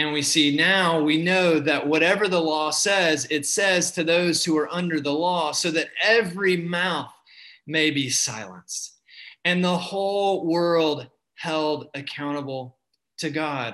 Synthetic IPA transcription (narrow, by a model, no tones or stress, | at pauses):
ɨ̃nwisinaʊwinoʊðɨʔ̚wʌɾɛvə˞ðəlɔsɛzɪtsɛz̥tʰɨðoʊz̥huə˞ʔʌ̃ndə˞ðəlɔsoʊðɨɾɛvɹimaʊθ | meɪbisaɪlˠə̰̃nst | ɨ̃nðəhoʊlˠwɜ˞lˠd̚ | hɛlˠdɨkʰãʊ̃ɾ̃əbl̩ˠ | tʰɨɡɑd̥̚